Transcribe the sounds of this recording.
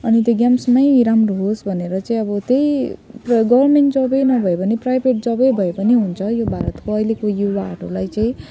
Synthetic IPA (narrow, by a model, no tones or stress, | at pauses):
ʌnit̪joɡjamsmajɾamroɦosbʱʌneɾʌt͡saĩʌbʌt̪ejpɡʌbʌrmeɳʈd͡zʌbʌjnʌbʱʌepʌniprajbʱeʈ̚d͡zʌbʌjbʱʌepʌniɦunt͡sʰʌjobʱaɾʌt̪koʌjlekojubaːʈʰo̰lajt͡saĩ